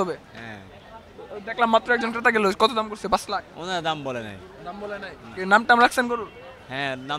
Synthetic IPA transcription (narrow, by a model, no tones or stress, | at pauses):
ɔbeɦɛ̰̃ | t̪od̪ɛkʰlamːat̪ːɾoɛk̚d͡ʑonkɾet̪aɡeloskɔt̪od̪amkoɾsʰebaslao̰nad̪ambolena̰j | d̪ambɔlenajkenamʈaamɾaksʰenkoɾul | ɦɛ̃na